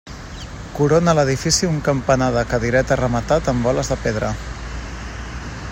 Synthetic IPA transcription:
kuɾonələð̞ifisiuŋkəmpənaðəkəðiɾɛt̪ərəmət̪at̪əmbɔləzðəpeðɾə

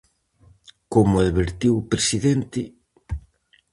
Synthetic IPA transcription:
komʊaðβeɾt̪iwpɾesiðent̪ɪ

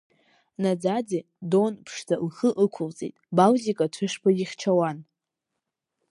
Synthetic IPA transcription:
nad͡zad͡zi | donpʰʂtʰalχəʔɨkʷʰʊlt͡sʼḭtʼbawzikʼatʷʰɨʂpʰajiχʲt͡ʃʰawan

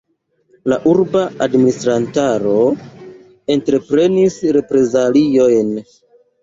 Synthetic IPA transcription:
laʔuɾbaadministɾantaɾo̞ | e̞ntɾe̞pɾe̞nisɾe̞pɾe̞zalio̞jn

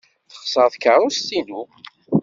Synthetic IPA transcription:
θə̥χsˤəɾˤθkəɾˤʊst̪ːinu

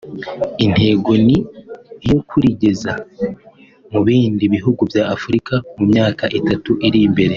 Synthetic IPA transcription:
in̥he̞ːɡo̞nijo̞kʰuɾiɟe̞za | muβiːndiβiɦuɡuvjaːfuɾikamumɲaːkaʔitatuʔiɾimbe̞ɾe̞

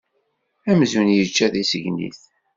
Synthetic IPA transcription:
æmzunjət͡ʃːæðisəʝnḭθ

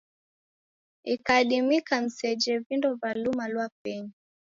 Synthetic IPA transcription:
ikaːɗimikam̩sɛd͡ʒɛvindɔvalumalwapɛɲi

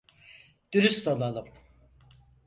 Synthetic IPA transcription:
d̪̥yɾyst̪olˠalˠɯm

